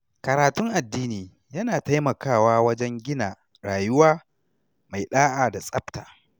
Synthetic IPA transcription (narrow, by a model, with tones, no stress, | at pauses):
kɐ˨ɾaː˨tʊ˦ŋʔa˨dːiː˦niː˨ | jɐ˦naː˨ta˦jmɐ˨kaː˦˨waː˦wɐ˦d͡ʒɛ˦ŋɡʲɪ˦naː˨ | ɾaː˨jʊ˦waː˦ | ma˨jɗaː˦ʔaː˨da˨sʼɐ˦btaː˨